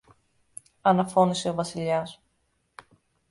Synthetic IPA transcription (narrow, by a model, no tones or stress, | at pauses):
ɐnɐfo̞niseo̞vɐsiʎɐs